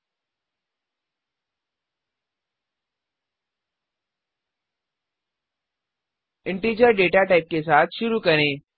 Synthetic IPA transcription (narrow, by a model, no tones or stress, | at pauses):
ɪɳʈiɾd͡ʑəɾɖeʈaʈaip̚kesaːt̪ʰɕʊɾukəɽ̃e